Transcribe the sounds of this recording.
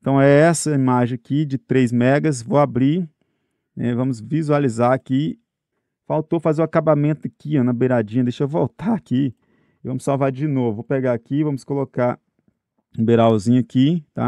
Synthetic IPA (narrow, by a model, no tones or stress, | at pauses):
ẽt̪ɐ̃w̃ɛɛsɐimaʒẽj̃akid͡ʒɪt̪ɾejzmɛɡɐs̬vowabɾi | nɛvɐ̃mʊzvizualizaɾaki | fawt̪ofazeɾʊ̃akabamẽt̪ʊɐkiãnɐbeɾad͡ʒĩɲɐd̪ejʃevowt̪aɾaki | vɐ̃mʊsawvaɾd͡ʒɪnovʊvopeɡaakivɐ̃mʊskolokaɾ | ũbeɾawzĩɲʊɐkit̪a̰